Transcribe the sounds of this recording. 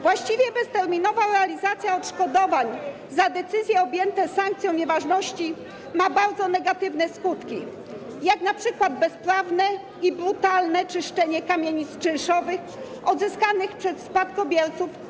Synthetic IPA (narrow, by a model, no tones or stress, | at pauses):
vwaɕt͡ɕivʲjɛbɛst̪ɛɾmʲinɔvaɾɛalʲizat̪sʲjaɔt̪ʂkɔd̪ɔvaɲ | zad̪ɛt̪sɘzʲjɛɔbʲjɛnt̪ɛsaŋk̚t̪sʲjɔ̃w̃ɲɛvaʐnɔɕt͡ɕi | mabaɾd̪zɔnɛɡat̪ɘvnɛskut̪kʲḭ | jaknapʂɘkwad̪̚bɛspɾavnɛ | ibɾut̪alnɛt͡ʂɘʂt͡ʂɛɲɛkamʲjeɲist̪t͡ʂɛ̃ʂɔvɘx | ɔd̪zɘskanɘxpʂɛsspat̪̚kɔbʲjɛɾt̪suf